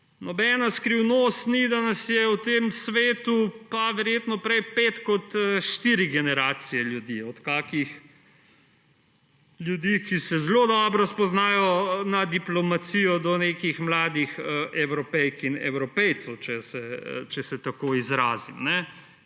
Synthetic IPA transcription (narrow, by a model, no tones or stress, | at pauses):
nɔbɛːnaskɾiwnost̪nid̪anɐsjɛwt̪emsʋeːt̪upaʋɛɾjeːt̪nɔpɾɛjpeːt̪kɔt̪əʃt̪iɾiɡɛnɛɾaːt̪sijɛljud̪iɔt̪kaːkix | ljud̪ikisɛzlod̪ɔbɾɔspɔznaːjɔnɐd̪iplɔmat̪sijɔd̪ɔnekixmlaːd̪ixəɛwɾɔpɛjkinɛ̰wɾɔpɛjt̪sowt͡ʃɛsɛt͡ʃɛsɛt̪akoizɾaːzimnɛ